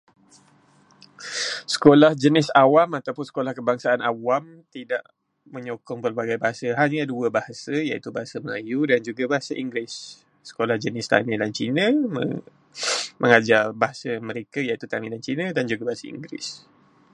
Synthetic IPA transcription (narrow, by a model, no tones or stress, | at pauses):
sə̥kolahd͡ʒənɪsawamat̪awpʊnsə̥kolahkəbaŋsaanawam | t̪idaʔ | mə̃ɲokɔŋpərbaɡajbaɦasəɦaɲəduəbahasəjait̪ubaɦasəmajudand͡ʒuɡabaɦasaʔiŋɡɾɪsː | ə̥kolahd͡ʒənɪst̪a̰mĩlant͡ʃinə̃mə̰ | mʔəŋad͡ʒabaɦasəməɾekajait̪ut̪amĩlant͡ʃinə̃dand͡ʒuɡabaɦasaḭŋɡɾɪ̰s